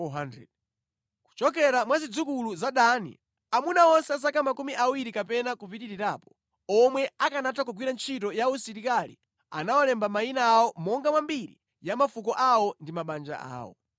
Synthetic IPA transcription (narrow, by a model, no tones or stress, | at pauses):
ɔɦandɛ̰ | ku̥t͡ʃɔk̬ɛɾamwazid͡zukuluzaɗanḭ | amunaɔnsɛas̬akamakumiʔawiɾikapɛnakupitiɾiɾaːpɔ̥ | ɔmwɛakanatakɔɡwiɾant͡ʃʰitɔjausiɾikalḭ | a̰nawalɛmbamainaːwɔmɔŋɡamwambiɾḭ | jamafukɔʔawɔndimaɓand͡ʒa̰a̰ːwɔ̰